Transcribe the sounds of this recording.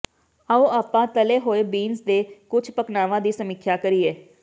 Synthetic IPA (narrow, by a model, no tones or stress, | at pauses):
aːũːaːpãːt̪əleːɦoːeːbiːnsd̪eːkʊt͡ʃʰpəknaːʋãːd̪iːsəmɪkʰːjaːkəɾiːeː